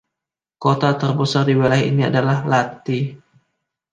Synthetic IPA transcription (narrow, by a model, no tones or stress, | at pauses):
kot̪at̪ərbəsardiwelajḭnia̰dalahlat̪i